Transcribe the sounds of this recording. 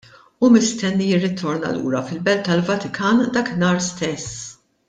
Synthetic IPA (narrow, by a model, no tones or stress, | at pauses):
umɪst̪ɛnːijɪrːɪt̪ʰːɔɾnɐ̰lṵːɾɐfɪlbɛlt̪t̪ːɐlvɐt̪ɪkʰɐːnd̪ɐknɐːɾst̪ɛsː